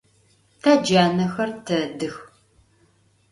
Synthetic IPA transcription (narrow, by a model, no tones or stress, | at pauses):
tʰaːd͡ʒaːnɐxɐrtʰɐdɨx